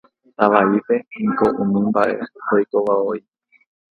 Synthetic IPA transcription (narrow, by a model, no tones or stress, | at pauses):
t̪aʋaipe̞ĩkoʔũmĩmbaʔe̞̰hojkoʋaoi